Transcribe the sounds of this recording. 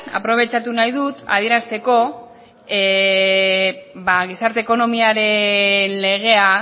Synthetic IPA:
a̰pɾo̞β̞e̞t͡ʃat̪unajðut̪a̰ð̞ie̞ɾast̪e̞ko̞ | e | baɣ̞isaɾt̪e̞ːko̞no̞miaɾe̞nle̞ɣe̞a

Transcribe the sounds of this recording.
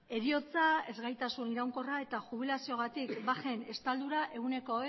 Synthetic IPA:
e̞ɾio̞t͡sae̞zɣajt̪asuniɾawŋko̞rae̞t̪axuβ̞ilasio̞ɣ̞at̪ikbaxe̞ne̞st̪ald̪uɾaʔe̞ɣ̞une̞ko̞

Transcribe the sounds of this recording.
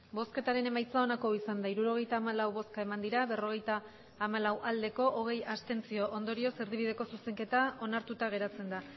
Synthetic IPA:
bo̞ske̞t̪aɾe̞ne̞majt͡sao̞nako̞isand̪aiɾuɾo̞ɣ̞e̞jt̪aːmalawβo̞skae̞mand̪iɾaβe̞ro̞ɣ̞e̞jt̪aː | malawʔald̪e̞ko̞ʔoɣ̞e̞jast̪e̞nt͡sio̞ʔond̪o̞ɾio̞se̞ɾðiβið̞e̞ko̞suse̞ŋke̞t̪ao̞naɾt̪ut̪aɣ̞e̞ɾat͡se̞nd̪a

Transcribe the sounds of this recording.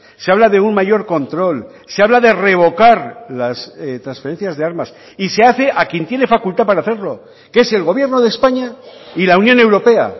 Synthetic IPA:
seaβlaðe̞unmaʝo̞ɾko̞nt̪ɾo̞l | se̞aβlaðe̞re̞β̞o̞kaɾlaset̪ɾansfe̞ɾe̞nθjazðe̞aɾmas | ise̞aθe̞ʔakje̞nt̪je̞ne̞fakult̪apaɾaːθe̞ɾlo̞ | kee̞se̞lɣo̞βje̞ɾno̞ðe̞spaɲailaunjõ̞ne̞wɾo̞pe̞a̰

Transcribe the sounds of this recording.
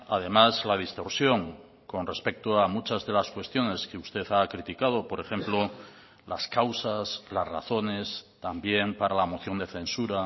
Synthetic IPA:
a̰ð̞e̞mazlað̞ist̪o̞ɾsjo̞ŋ | ko̞nre̞spe̞k̚t̪oamut͡ʃazðe̞laskwe̞st̪jo̞ne̞skeust̪e̞θakɾit̪ikað̞o̞po̞ɾe̞xẽ̞mplo | la̰skawsaslazra̰θo̞ne̞st̪ambje̞mpaɾalamo̞θjo̞nd̪e̞θe̞nsuɾa

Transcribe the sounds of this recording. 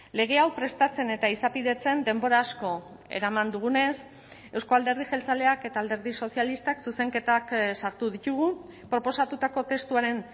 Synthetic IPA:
le̞ɣ̞e̞awpɾe̞st̪at͡se̞ne̞t̪aisapiðe̞t͡se̞nd̪e̞mbo̞ɾaːsko̞ | e̞̰ɾamand̪uɣ̞une̞s | e̞wsko̞ald̪e̞ɾð̞iʝe̞lt͡sale̞ake̞t̪aːld̪e̞ɾðiso̞sialist̪aksuse̞ŋke̞t̪aksaɾt̪uðit̪uɣu | pɾo̞po̞sat̪ut̪ako̞t̪e̞st̪uaɾe̞n

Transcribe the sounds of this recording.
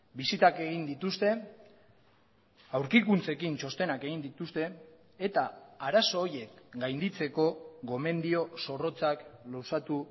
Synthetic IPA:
bisit̪ake̞ɣind̪it̪ust̪e̞ | awɾkikunt͡se̞kint͡ʃo̞st̪e̞nake̞ɣ̞ind̪it̪ust̪e̞ː | t̪aːɾaso̞ːɾje̞kɡajnd̪it͡se̞ko̞ɣo̞me̞nd̪io̞so̞ro̞t͡saklowsat̪u

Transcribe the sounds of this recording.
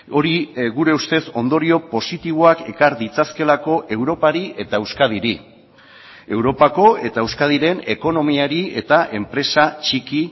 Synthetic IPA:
o̞ɾiɣuɾe̞ust̪e̞so̞nd̪o̞ɾio̞po̞sit̪iβ̞o̞ake̞kaɾd̪it͡saske̞lako̞ʔe̞wɾo̞paɾiʔe̞t̪aewskað̞iɾi | e̞wɾo̞pako̞e̞t̪aewskaðiɾe̞ne̞ko̞no̞miaɾie̞t̪aʔe̞mpɾe̞sat͡ʃiki

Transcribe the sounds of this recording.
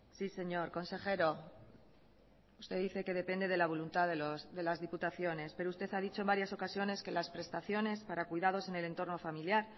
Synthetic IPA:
sise̞ɲo̞ɾko̞nse̞xe̞ɾo̞ | ust̪e̞ðiθe̞ke̞ðe̞pe̞nd̪e̞ðe̞laβ̞o̞lunt̪aðelosðe̞lazðiput̪aθjo̞ne̞speɾoust̪e̞θað̞it͡ʃombaɾjaso̞kasjo̞ne̞ske̞laspɾe̞st̪aθjo̞ne̞spaɾakwujðað̞o̞se̞ne̞le̞nt̪o̞ɾno̞familjaɾ

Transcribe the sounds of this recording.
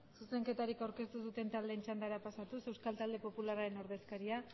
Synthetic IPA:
suse̞ŋke̞t̪aɾikawɾke̞st̪uðut̪e̞nt̪ald̪e̞ːnt͡ʃand̪aɾapasat̪use̞wskalt̪ald̪e̞po̞pulaɾaɾe̞no̞ɾð̞e̞skaɾia

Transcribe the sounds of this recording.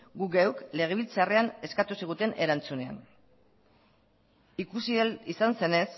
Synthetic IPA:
ɡuɡewkle̞ɣ̞e̞βilt͡sare̞ane̞skat̪usiɣ̞ut̪e̞ne̞ɾant͡sune̞a̰n | ikusiisanse̞ne̞s

